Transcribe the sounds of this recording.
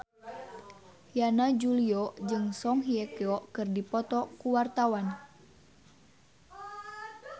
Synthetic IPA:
janad͡ʒuliɔd͡ʒɨŋsɔŋɦiɛkɛɔkɨrdipɔt̪ɔkuwart̪awan

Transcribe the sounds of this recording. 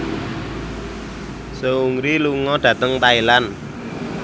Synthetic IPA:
səuŋɾiluŋɔɖ̥ä̤t̪əŋt̪ailan

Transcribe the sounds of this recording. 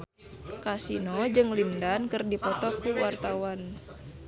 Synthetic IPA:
kasinɔd͡ʒɨŋlindankɨrdipɔt̪ɔkuwart̪awan

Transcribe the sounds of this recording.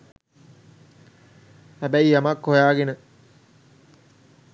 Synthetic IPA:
hæbæiamakɦojaːɡenə

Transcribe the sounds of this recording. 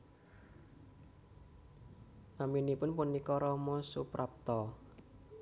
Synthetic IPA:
naminipʊnpunikɔɾɔmɔsupɾʔap̚t̪ɔ

